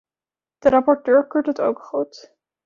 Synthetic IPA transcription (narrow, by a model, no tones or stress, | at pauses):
d̥əɾɑpɔɹtøːɹkøɹtɦətowkχut